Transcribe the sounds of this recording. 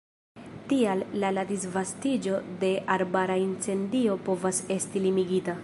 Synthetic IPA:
tiallaladisvastid͡ʒo̞de̞ʔaɾbaɾaint͡se̞ndio̞po̞vase̞stilimiɡita

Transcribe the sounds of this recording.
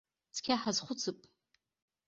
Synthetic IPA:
t͡sʰkʲʰaħazχʷʊt͡sʰɨpʼ

